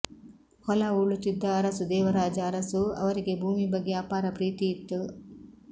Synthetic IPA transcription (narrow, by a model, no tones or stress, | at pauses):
hɔlɐuɭːut̪ːid̪ːɐːɾɐsud̪ɛːʋɐɾaːd͡ʒɐːɾɐsuɐ̰ʋɐɾiɡe̞bʱuːmibɐɡːeaːpaːɾɐpɾiːt̪ijit̪ːu